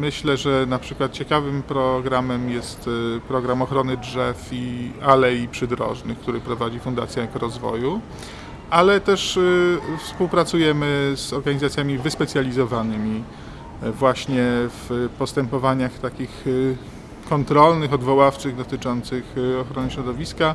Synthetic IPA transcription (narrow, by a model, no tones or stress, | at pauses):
mɘɕlɛʐɛnapʂɘkwat̪̚t͡ɕɛkavɘmpɾɔɡɾamɛmjɛst̪pɾɔɡɾamɔxɾɔnɘdʐɛfialɛjipʂɘd̪ɾɔ̰ʐnɘkt̪uɾɘpɾɔvad͡ʑifund̪a̰t̪sʲjaɛkɔɾɔzvɔ̰ju | ʔalɛt̪ɛʂ | fspuwpɾat̪sujɛmɘzɔɾɡaɲizat̪ʲjamʲivɘspɛt̪sʲjalʲizɔvanɘmʲi | vwaɕɲɛfpɔst̪ɛmpɔvaɲaxt̪akʲix | kɔnt̪ɾɔlnɘxɔd̪vɔwaft͡ʂɘɣd̪ɔt̪ɘt͡ʂɔnt̪sɘxɔxɾɔnɘɕɾɔd̪ɔvʲiska